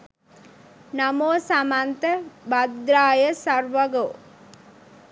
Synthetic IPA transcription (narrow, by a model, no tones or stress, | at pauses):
namoːsamant̪əbad̪ɾaːjəsarʋɐɡo